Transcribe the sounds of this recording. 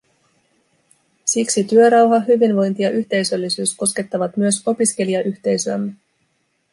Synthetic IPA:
siksit̪yø̞ɾɑwɦɑɦyʋinʋo̞jnt̪ijɑʔyçt̪e̞jsø̞lːisyːsko̞ske̞t̪ːɑʋɑt̪myøso̞piske̞liɑʔyçt̪e̞jsyæmːe

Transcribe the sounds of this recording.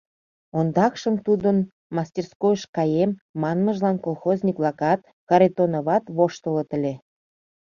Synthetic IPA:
ond̪ɑkʃəmt̪ud̪ən | mɑsʲtʲerskojəʃkɑjemːɑnməʒlɑnkolˠxozʲnʲikvlˠɑkɑt̪̚ | kɑɾet̪onoβɑt̪βoʃt̪ələt̪ə̆lʲe

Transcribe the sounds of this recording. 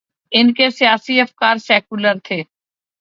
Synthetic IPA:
ɪnkesijaːsiɐfkaːɾsɛːkʊləɾt̪ʰeː

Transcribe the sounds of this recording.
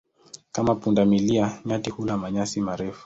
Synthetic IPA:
kamapundamiliaɲatihulamaɲasimaɾɛfu̥

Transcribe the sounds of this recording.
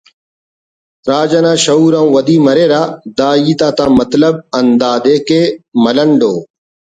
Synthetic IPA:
ɾaːd͡ʒanãːʃɐuːɾãːũʋɐd̪iːmɐɾeːɾaːd̪aːiːt̪aːt̪aːmɐt̪ləb̚ɐnd̪aːd̪eːkeːmɐləɳɖoː

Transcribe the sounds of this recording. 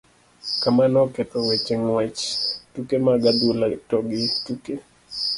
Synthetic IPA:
kamanɔketɔwet͡ʃeŋwɛt͡ʃtukemaɡadulatɔɡɪtuke

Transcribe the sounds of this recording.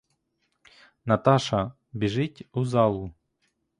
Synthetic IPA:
nɐt̪ɑʃɐ | bʲiʐɪtʲuzɑlˠu

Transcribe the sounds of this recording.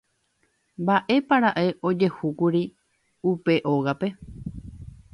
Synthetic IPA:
mbaʔe̞paɾaʔe̞ʔo̞d͡ʒe̞hukuɾi | upe̞ʔo̞ɣape̞

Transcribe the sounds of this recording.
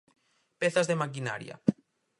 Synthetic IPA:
peθazðemak̬ina̰ɾj̰a̰

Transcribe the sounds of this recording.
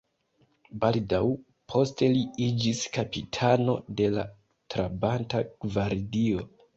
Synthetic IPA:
baldaw | pʰo̞ste̞liid͡ʒiskapitʰano̞de̞la̰ | tɾabantaɡ̥vaɾdio̞

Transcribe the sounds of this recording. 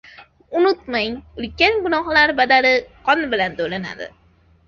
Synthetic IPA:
ʊnʊt̪majʊlkʲanɡʊnɑχlaɾbad̪aɾɪqʰɒnbɪlant̪ʰolana̰d̪ɪ̰

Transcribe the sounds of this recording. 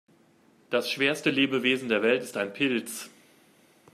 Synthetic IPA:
d̥asʃv̥eːɐstəleːbəveːzn̩deːɐvɛltɪstaɪnpʰɪlt͡s

